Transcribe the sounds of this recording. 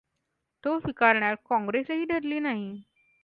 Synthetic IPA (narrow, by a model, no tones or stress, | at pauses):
t̪ofikaɾɳjaɾkɔ̃ŋɡɾesɦiːɖʱəɾliːnaɦi